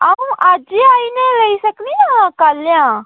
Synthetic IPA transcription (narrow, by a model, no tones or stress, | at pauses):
aũʔad͡ʒiaːinelɐisɐkniãkaːljãː